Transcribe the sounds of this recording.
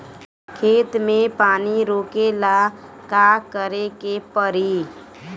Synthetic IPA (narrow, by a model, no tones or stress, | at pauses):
kʰeːt̪mẽpaːniɾoːkela | kakəɾekepəɾi